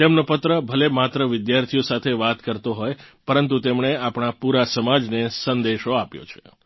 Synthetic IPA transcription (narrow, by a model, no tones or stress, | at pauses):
t̪emnopət̪ɾəbʱəlemat̪ɾəʋɪd̪jaɾt̪ʰijosat̪ʰeʋat̪kəɾt̪oɦojpəɾənt̪ut̪emɳeapɳ̃apuɾasəmad͡ʒnesənd̪eʃoapjo̰t͡ʃʰe̥̰